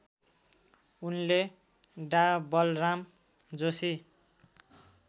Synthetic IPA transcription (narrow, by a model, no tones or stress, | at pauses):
unle | ɖabʌlram | d͡zosi